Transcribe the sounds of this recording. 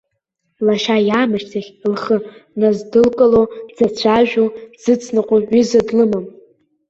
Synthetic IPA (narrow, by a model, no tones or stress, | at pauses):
laʃajaːmɨʃtʰaχʲlχənazdɨlkʼalod͡zat͡ɕʷʰaʒᶣoz̥ɨt͡sʰnɨqʷʼoizɨdlɨmam